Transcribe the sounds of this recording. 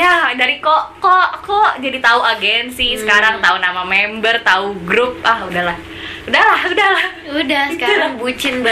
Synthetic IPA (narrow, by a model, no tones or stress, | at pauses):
jadaɾikoʔkɔʔkoʔd͡ʒadit̪auaɡɛnsɪsəkaɾaŋt̪aunamamɛmbərt̪auɡɾup̚ahudahlah | udahlahudahlah | udahskaɾaŋbut͡ʃɪnb